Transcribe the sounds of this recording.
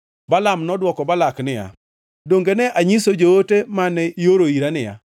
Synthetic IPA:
balamnɔdwɔkɔbalaknɪja̰ | doŋɡenɛʔaɲisod͡ʒootemanɛʔioɾoiɾanɪja̰

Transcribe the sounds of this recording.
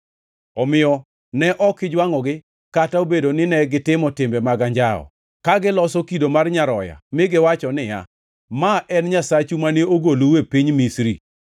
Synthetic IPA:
ɔmɪɔ | nɛʔɔkɪd͡ʒwaŋɔɡɪ | kataobedonɪnɛɡɪtɪmɔtɪmbemaɡaɲd͡ʒaɔ̰ | kaɡɪlɔsɔkidomarɲaɾɔja̰mɪɡɪwat͡ʃɔnɪja̰ | maʔɛnɲasat͡ʃumaneoɡoluwepiɲmisɾi

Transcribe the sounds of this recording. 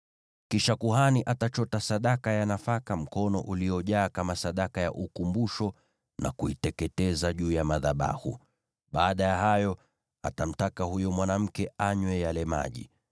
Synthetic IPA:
kiʃakuhaniʔatat͡ʃɔtasaɗakajanafakam̩kɔnɔ̰ʔulijɔʄaːkamasaɗakaja̰ʔukumbuʃɔ | nʔa̰kuitɛkɛtɛzaʄuːjamaðaɓa̰hṵ | ɓaːɗajaɦajɔ | atam̩takahujɔmwanam̩kɛaɲwɛjalɛma̰ʄḭ

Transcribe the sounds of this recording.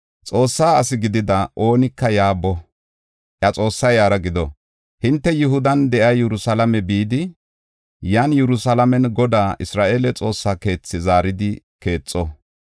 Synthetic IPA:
t͡sʼo̞ːsːaːɐsɪɡɪd̪ɪd̪ɐʔo̞ːnɪkːɐjaːbɔ | ʔjɐt͡sʼo̞ːsːɐjaːɾɐɡɪd̪ɔ | hɪnt̪ːɛjʊɦʊd̪ɐnd̪ɛʔɐjɛɾʊsɐlɐmɛbiːd̪ɪ | janjɛɾʊsɐlɐmɛnɡɔd̪aːʔɪsɾaːʔe̞ːlɛt͡sʼo̞ːsːake̞ːt͡sːɪzaːɾɪd̪ɪ | ke̞ːt͡sʼːɔ

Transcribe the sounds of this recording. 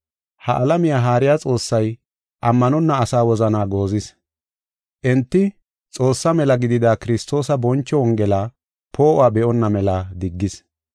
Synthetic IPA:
hɐʔɐlɐmɪjaːɦaːɾɪjaːt͡sʼo̞ːsːɐj | ʔɐmːɐnɔnːɐːsaːwɔzɐnaːɡo̞ːzɪs | ʔɛnt̪ːɪ | t͡sʼo̞ːsːɐmɛlɐɡɪd̪ɪd̪aːkɪɾɪst̪o̞ːsɐbɔnt͡ʃːɔwɔŋɡɛlaː | pʰo̞ːʔʊaːbɛʔɔnːɐmɛlaːd̪ɪɡːɪs

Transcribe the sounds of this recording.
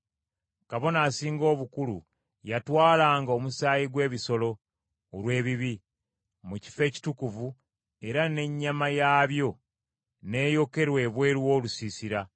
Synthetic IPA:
kaβo̞naːsiːŋɡo̞ːβukulṵ | jatwaːlaːŋɡao̞musaːjiɡwe̞ːβiso̞lo̞ː | lwe̞ːβiβi | muci̥fe̞ːci̥tukuvu | e̞ɾane̞ɲːamajaːβjo̞ | ne̞ːjo̞ke̞ɾwe̞ːβwe̞ːɾwo̞ːlusisiɾa

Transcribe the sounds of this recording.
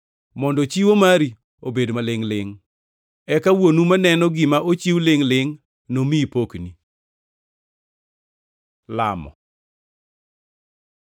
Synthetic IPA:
mɔndɔt͡ʃiwomaɾi | obedmalɪŋlɪŋ | ɛkawonumanɛnɔɡɪmaʔot͡ʃiwlɪŋlɪŋ | nomipokni | la̰mɔ̰

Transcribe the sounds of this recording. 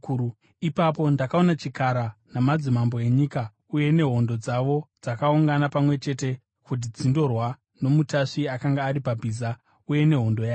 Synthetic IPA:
ipapo̞ndakaonat͡ʃikaɾanamad͡zimamboe̞ɲika | uje̞ne̞ɦo̞ndo̞d͡zaʋo̞d͡zakauŋɡanapamwe̞t͡ʃe̞te̞ | kut̬id͡zindo̞rwa | no̞mutaʂiakaŋɡaːɾipabʱiza | uje̞ne̞ɦo̞ndo̞jaːo

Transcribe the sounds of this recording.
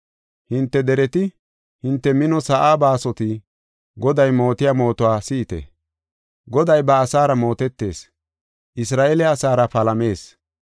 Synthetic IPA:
hɪnt̪ːɛd̪ɛɾɛt̪ɪ | hɪnt̪ːɛmɪnɔsɐʔaːbaːsɔt̪ɪ | ɡɔd̪ɐjmo̞ːt̪ɪjamo̞ːt̪ɔwaːsiːt̪ɛ̰ | ɡɔd̪ɐjbɐːsaːɾɐmo̞ːt̪ɛt̪ːe̞ːs | ʔɪsɾaːʔelɛɐsaːɾɐpɐlɐme̞ːs

